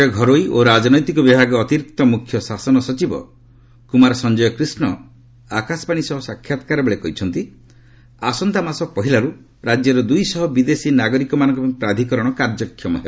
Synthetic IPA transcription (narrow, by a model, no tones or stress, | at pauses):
jɔɡʱɔɾojʔoɾad͡ʒɔnɔjt̪ikɔbibʱaɡɔːt̪iɾik̚t̪ɔmukʰːjɔsasɔnɔsɔt͡ʃibɔ̰ | kumaɾɔsɔnd͡ʒɔjɔkɾisnɔ | akasɔbaɽ̃isɔɦɔsakʰjat̪ɔ̥kaɾɔbeɭekɔɦit͡ʃʰɔnt̪i | asɔnt̪amasɔpɔɦilaɾu | ɾad͡ʒjɔɾɔd̪ujsɔɦɔbid̪esinaɡɔɾikɔmanɔ̃ŋkɔpmipɾad̪ʱikɔɾɔɽ̃ɔkaɾd͡ʒɔkʰːjɔmɔ̰ɦe